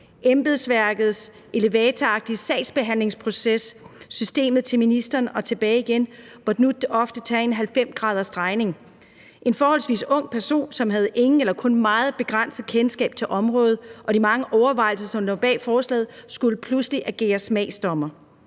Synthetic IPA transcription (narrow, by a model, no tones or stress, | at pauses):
ʔemb̥eðˠsʋæɐɡ̥ð̞̩ˠs | e̝le̝ʋɛːt͡sʰɐɑ̈ɡ̥̚d̥isɛɪ̰sb̥e̝ɦæn̰le̝ŋspʰʁo̝sesːysd̥e̝̰ːmð̞̩ˠt͡sʰe̝lminisd̥ɐːnɒ̽t͡sʰe̝b̥ɛːɪiɡ̥en | ʋɒd̥nud̥ːəɒ̽fd̥ət͡sʰɛːe̝nɦælfem̰sɡ̥ʁɑ̈ːðˠɐsd̥ʁɑ̈ɪne̝ŋ | ʔe̝nfɒːhɒl̰sʋḭːsɔ̽ŋ̰pʰæɐso̝̰ːnsɒ̽mɦæð̞̩ˠʔe̝ŋn̩elɐkʰɔ̽nmɑ̈ːð̩ˠb̥e̝ɡ̥ʁɑn̰səð̩ˠkʰensɡ̥ɛ̰ːb̥̚t͡sʰe̝lʔɒ̽mʁɔ̽ːð̩ˠʔɒ̽dimɑ̈ŋəʔɒʊɐʋɑ̈ɪ̰l̩sɐsɒ̽mnob̥ɛ̰ːlfɒːslɛ̰ːð̩ˠsɡ̥uləpʰlusliʔæɡ̥e̝̰ːɐsmɛ̰ɪsd̥ɒ̽mɐ